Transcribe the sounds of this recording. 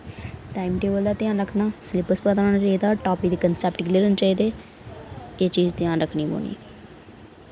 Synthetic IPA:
ʈaːimʈeːbəld̪aːt̪ɪjaːnɾəkʰnaːslɪpəspəd̪aːaːnat͡ʃaːiːd̪aːʈaːpiːd̪iːkənsɛːp̚ʈɡɪleːɾənt͡ʃaːiːd̪eː | eːt͡ʃiːzt̪ɪjãːnɾəkʰɳiːbo̰ːnḭ

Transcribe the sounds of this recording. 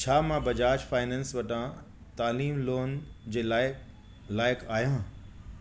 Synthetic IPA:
t͡ɕʰaːmãbɐd͡ʑaːd͡ʑfaːɪnɛ̃ːnsʋɐʈã | t̪aːliːmloːnd͡ʑeːlaːɪ | laːɪkʰaːɦjã

